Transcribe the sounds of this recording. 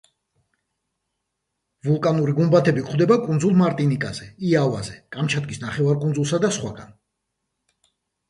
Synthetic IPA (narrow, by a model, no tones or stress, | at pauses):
vulˠkʼanuɾiɡumbat̪ʰɛbikʰχd̪ɛbakʼund̪zulˠmaɾt̪ʼinikʼaz̥ɛiava̰zɛkʼamt͡ʃʰad̪̚ɡʼisnaχɛvaɾkʼunzulˠsad̪asχwaɡan